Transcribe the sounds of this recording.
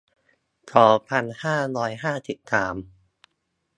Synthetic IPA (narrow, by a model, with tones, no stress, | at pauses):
t̪ʰɔː˩˦pʰa˧nhaː˥˩ɾɔː˦˧˥jɦaː˥˩si˨˩p̚saː˩˦m